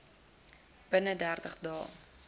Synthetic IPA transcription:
b̥ənədærtəχdɑ̰ː

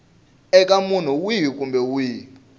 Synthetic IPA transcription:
ɛkʼamun̤uwiɦk̬ʼumbɛwiː

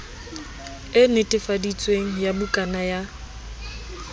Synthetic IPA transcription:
ɪnɪtʼɪfadit͡sʼweŋ̩jabʊkʼanaja

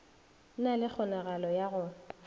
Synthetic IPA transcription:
nalɪk͡xʰɔnaɣalɔjaɣʊ

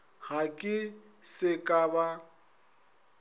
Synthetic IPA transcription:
ɣakʼɪ | sɪkʼaba

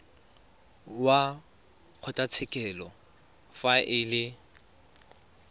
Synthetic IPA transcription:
wa | q͡χʰʊtʼat͡sʰɪkʼɛlɔ | faʔɪlɪ

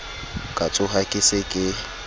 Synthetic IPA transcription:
kʼat͡sʼʊɦakʼɪsekʼɪ

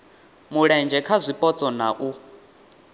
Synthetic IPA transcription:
muɺɛnd͡ʒɛkʰazʷipʼɔt͡sʼɔna̰ʔu

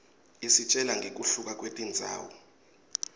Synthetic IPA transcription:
isit͡ʃʼɛlaŋɡʱek̬ʼuɬuk̬ʼak̬ʼwetʼind͡zʱa̰ːwɔ̰

